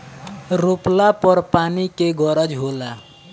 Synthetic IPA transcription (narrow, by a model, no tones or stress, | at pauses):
ɾoplapɔɾpanikeɡɔɾəd͡ʒɦola